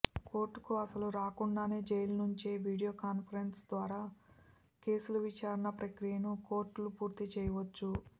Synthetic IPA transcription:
ko̞ːɾʈːukuɐsɐluɾaːkuɳɖaːne̞ːd͡ʒejlɐnuɲt͡ʃeːʋiːɽijoːkaːnpʰɐɾensd̪ʋaːɾaː | ke̞ːsuluʋit͡ʃaːɾɐɳɐpɾɐkɾijɐnuko̞ːɾʈlupuːɾt̪it͡ʃɛːjɐʋɐt͡ʃːu

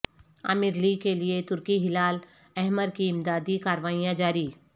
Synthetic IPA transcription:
a̰mɪɾlikeliet̪ʊɾkiɦɪlaːl | ɛɦməɾkiɪmd̪aːd̪ikaːɾʋaːijãd͡ʒaːɾiː

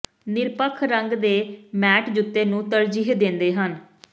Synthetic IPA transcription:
nɪɾpəkʰɾəŋɡd̪eːmɛːʈd͡ʒʊt̪ːeːnũːt̪əɾd͡ʒiːɦd̪ɪ̃nd̪eːɦən

